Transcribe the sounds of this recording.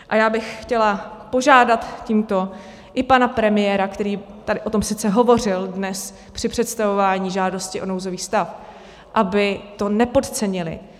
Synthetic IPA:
ʔajaːbɪxxcɛlapo̞ʒaːdat̪ciːmt̪o̞ | ʔɪpanapɾɛmɪjɛːɾakt̪ɛɾiːt̪adɪʔo̞t̪o̞msɪt͡sɛɦo̞vo̞r̝ɪldnɛs | pr̝̥ɪpr̝̥ɛt̪st̪avo̞vaːɲiːʒaːdo̞scɪʔo̞nowzo̞viːxst̪af | ʔabɪt̪o̞nɛpo̞t̪t͡sɛɲɪlɪ̰

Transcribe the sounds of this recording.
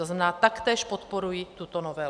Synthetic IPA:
oznamɛnaːt̪akt̪ɛːʃpot̪poɾujit̪ut̪onɔvɛ

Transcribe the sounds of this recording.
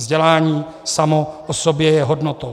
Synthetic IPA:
zɟɛlaːɲiː | samoʔosobjɛjɛɦodnot̪ow

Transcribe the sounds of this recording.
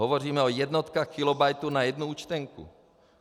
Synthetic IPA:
ɦovoriːmɛojɛd̪not̪kaxkɪlobajt̪unajɛd̪nuuːt͡ʃt̪ɛŋkṵ

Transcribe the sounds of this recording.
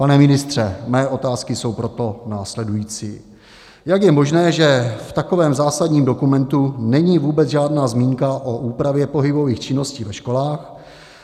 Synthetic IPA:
panɛmɪnɪst̪r̝̥ɛmɛːʔo̞t̪aːskɪso̞wpɾo̞t̪o̞naːslɛdujiːt͡sḭː | jakjɛmo̞ʒnɛːʒɛft̪ako̞vɛːmzaːsadɲiːmdo̞kumɛnt̪unɛɲiːvuːbɛt͡sʒaːdnaːzmiːŋkaʔoʔuːpɾavjɛpo̞ɦɪbo̞viːxt͡ʃɪno̞sciːvɛʃko̞laːx

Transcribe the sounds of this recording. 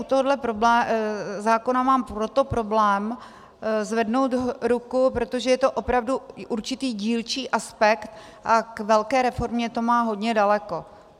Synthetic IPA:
ʔut̪oɦodlɛpɾoblɛːzaːko̞namaːmpɾo̞t̪o̞pɾo̞blɛːm | zvɛdnowt̪ɾukupɾot̪oʒɛjɛt̪oʔopɾavduʔuɾt͡ʃɪt̪iːɟiːlt͡ʃiːʔaspɛkt̪ | ʔakvɛlkɛːɾɛfo̞ɾmɲɛt̪o̞maːɦo̞dɲɛdalɛko̞

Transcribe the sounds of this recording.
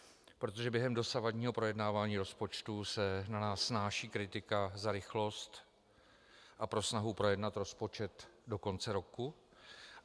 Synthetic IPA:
pɾo̞t̪̬o̞ʒɛbjɛɦɛmdo̞savadɲiːɦo̞pɾo̞jɛdnaːvaːɲiːɾo̞spo̞t͡ʃt̪usɛnanaːsːnaːʃiːkɾɪt̪ɪkazaɾɪxlo̞st̪ | ʔapɾo̞snaɦupɾo̞jɛdnat̪ɾo̞spo̞t͡ʃɛt̪do̞ko̞nt͡sɛɾo̞ku

